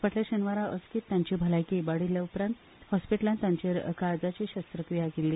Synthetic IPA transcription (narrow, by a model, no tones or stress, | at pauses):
pəʈleɕənʋaɾaʔəskiːt̪ːjãɲt͡ɕiːbʱəlajkibaɽiljaupɾãnt̪ | hɔspiʈlant̪jaɲt͡ɕeɾkaɾd͡zat͡ɕiːɕəst̪ɾəkɾijakelːiː